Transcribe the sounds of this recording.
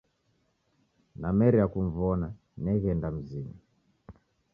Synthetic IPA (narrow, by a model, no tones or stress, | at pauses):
namɛɾiakuɱvɔna | nɛɣɛndam̩zima